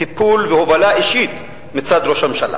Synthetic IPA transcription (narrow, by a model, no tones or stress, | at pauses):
ipulvehovalaʔiʃit̪ | mit͡sad̪ɾo̞ʃhamʃala̰